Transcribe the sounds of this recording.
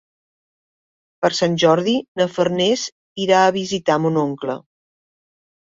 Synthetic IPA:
pəɾsanʲʒɔɾðinəfərnez | iɾaəːβizit̪amunoŋklə̰

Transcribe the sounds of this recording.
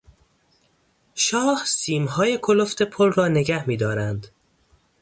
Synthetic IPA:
ʃɒːhsiːmɦɒːje̞kʰoloft̪e̞pʰolrɒːne̞ɡæhmiːd̪ɒːɾænd̪̥

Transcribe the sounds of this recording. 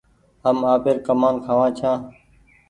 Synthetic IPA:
ɦəmaːpeɾkəmaːnkʰaːʋãːt͡ʃʰãː

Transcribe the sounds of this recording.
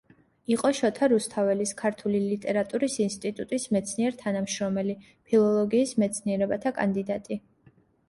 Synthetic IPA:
iqʼɔʃɔt̪ʰaɾust̪ʰavɛliskʰaɾt̪ʰulilit̪ʼɛɾat̪ʼuɾisinst̪ʼit̪ʼut̪ʼismɛt̪sʰniɛɾt̪ʰanamʃɾɔmɛli | pʰilˠɔlˠɔɡiːsmɛt̪sʰniɛɾɛbat̪ʰakʼa̰nd̪id̪at̪ʼi

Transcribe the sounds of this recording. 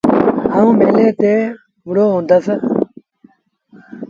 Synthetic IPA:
ɦaũːmeːleːt̪eː | mʊɽoːɦũːnd̪əs

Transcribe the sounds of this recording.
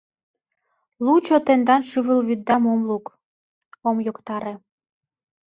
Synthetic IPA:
lut͡ɕot̪end̪ɑnʃyβəlβyd̪ːɑmomluk | omjokt̪ɑɾe

